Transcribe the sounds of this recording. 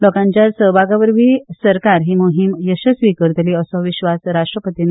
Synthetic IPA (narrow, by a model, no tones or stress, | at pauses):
lɔkãɲt͡ɕjasəɦbʱaɡaʋəɾʋʱiːsəɾkaɾɦiːmuɦimjəɕəsʋikəɾt̪əliːəsɔʋiɕʋasɾaʂʈɾəpət̪in